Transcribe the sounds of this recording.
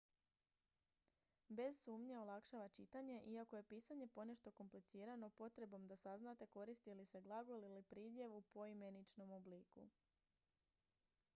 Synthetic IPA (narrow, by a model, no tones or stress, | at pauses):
be̞zsuːmɲe̞olˠakʃaʋat͡ʃit̪aɲe̞ʔiako̞je̞piːsaɲe̞po̞ne̞ʃt̪o̞ko̞mplit̪siːɾano̞po̞t̪ɾe̞bo̞md̪asaznat̪e̞ko̞ɾist̪ilise̞ɡlˠaɡolilipɾiːd̪je̞ʋupo̞ime̞nit͡ʃno̞mobliːkṵ